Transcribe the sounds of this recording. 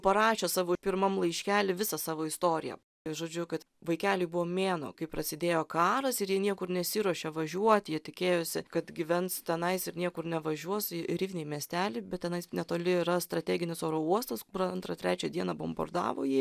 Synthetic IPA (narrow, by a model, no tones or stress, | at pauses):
pɐɾɑːʃʲoːsɑːʋoːpʲɪɾmɐmlˠɐɪʃʲkʲæːlʲɪʋʲɪsɑsɑːʋoːɪst̪oːɾʲɪjɛ̰ | ɪʒoːd͡ʒʲʊkɐt̪ | ʋɐɪkʲæːlʲɪbʊʋoːmʲeːno̰ːkɐɪpɾɐsʲɪd̪ʲeːjoːkɑːɾɐsɪɾjiɛnʲiɛkʊrnʲɛsʲiːɾuɔʃʲɛʋɐʒʲuɔt̪ʲjiɛt̪ʲɪkʲeːjoːsʲɪkɐt̪ɡʲɪʋʲɛnt̪st̪ʲɛnɐɪsɪɾnʲiɛkʊɾnʲɛʋɐʒʲuɔsɪɾʲiːʋʲnʲɛːmʲiɛsʲt̪ʲæːlʲɪbʲɛt̚tʲɛnɐɪsnʲɛt̪oːlʲɪɪɾɐst̪ɾɐt̪ʲæːɡʲɪnʲɪsoːɾouɔst̪ɐskʊɾɐɐnt̪ɾɐt̪ʲɾʲæːt͡ʃʲɛd̪ʲiɛnɐbo̰mbɐ̰rd̪ɑ̰ːʋo̰jiː